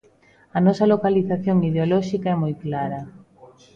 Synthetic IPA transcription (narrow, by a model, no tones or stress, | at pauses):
ɐnɔsɐlokaliθaθjoŋiðeolɔʃikɐɛmɔjklaɾɐ